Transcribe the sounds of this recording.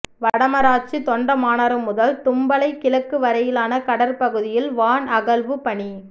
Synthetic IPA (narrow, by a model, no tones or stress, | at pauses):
ʋɐɽɐmɐɾaːʈ̚t͡ʃit̪ɔɳɖɐmaːnɐɾɯmːʊðɐlt̪ʊmbɐlɐɪkːɪlɐkːɯʋɐɾɐjɪlaːnɐkɐɽɐɾpɐɣɯðɪjɪlʋaːnɐɣɐlʋɯpɐɳi